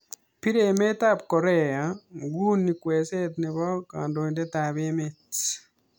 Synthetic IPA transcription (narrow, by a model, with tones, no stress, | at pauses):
pi˦ɾe˨me˦ta˦˨pkɔ˨ɾe˦a˨ŋɡu˦ni˨kwe˨se˦tni˨βɔ˦ka̰ː˨ndo˨i˨nde˦ta˨βe˦me˦t